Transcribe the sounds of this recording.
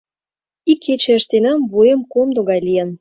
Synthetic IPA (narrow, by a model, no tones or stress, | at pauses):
ikʰːet͡ɕĕəʃt̪enɑmvujə̆mkomd̪oɣɑjlijə̆n